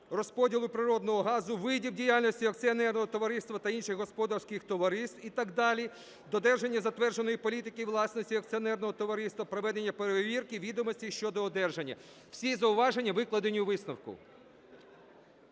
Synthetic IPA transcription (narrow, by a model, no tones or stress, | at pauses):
rɔspɔdʲilˠʊpɾɪɾɔd̪nɔɦɔɦɑzʊʋɪdʲiwdʲijalʲnɔsʲtʲiɐk̚t͡s̪ʲiɐnɛrnɔɦɔt̪ɔʋɐɾɪst̪ʋɐt̪ɐinʃɪxɦɔspɔd̪ɐrsʲkɪxt̪ɔʋɐɾɪst̪it̪ɐɡd̪ɑlʲi | d̪ɔd̪ɛrʒe̞nʲːɐzɐt̪ʋɛrd͡ʒenɔjipɔlʲit̪ɪkɪʋlˠɑsnɔsʲtʲiɐk̪̚sʲiɔnɛrnɔɦɔt̪ɔʋɐɾɪst̪ʋɐpɾɔʋɛd̪enʲːɐpeɾeeʋʲirkɪʋʲid̪ɔmɔsʲtʲiʃt͡ʃɔd̪ɔːd̪ɛrʒenʲːɐ̰ | wsʲizɐʊʋɑʒenʲːɐʋɪklˠɐd̪enʲiʊʋɪsnɐwkʊ̰